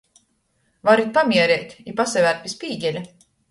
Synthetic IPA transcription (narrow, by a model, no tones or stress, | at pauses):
vaɾit̪̚pamʲiɛɾɛːt̪ʲipasɛvæɾt̪pispʲiːɟʲɛlʲa